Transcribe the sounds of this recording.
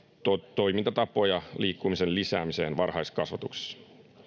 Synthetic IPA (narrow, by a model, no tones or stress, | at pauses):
t̪ot̪o̞jmint̪ɑt̪ɑpˑo̞jɑliːkːumisenlisæ̰ːmise̞̰ːnʋɑrhɑjskɑsʋɑt̪ukse̥s